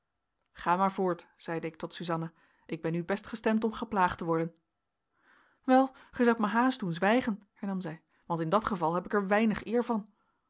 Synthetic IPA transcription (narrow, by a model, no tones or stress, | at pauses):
χaːmaːɹvʊːɹtz̥ɛjdəɪk̚tɔtsyzɑna | ʔɪɡ̚bɛnybɛstχəstɛmtɔmχəplaːχtəʋɔɹdən | ʋɛlˠχəzɑwt̚məɦaːsdunzʋɛjχənhɛɹnɑmzɛj | ʋɑntɪndɑtχəvɑlˠɦɛpɪkɛɹʋɛjnəχɪːɹvɑn